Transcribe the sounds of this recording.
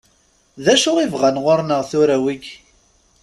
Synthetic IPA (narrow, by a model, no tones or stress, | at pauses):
ðæʃʊʁivʁanʁʊɾnəʁθʊɾæwiɡ